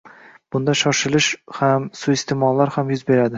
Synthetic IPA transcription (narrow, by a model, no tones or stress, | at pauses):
b̥ʊnd̪aʃɒʃɪlɪʃhamsʊɪst̪ʰemɒlˠːaɾhamjʊzbe̞ɾad̪ɪ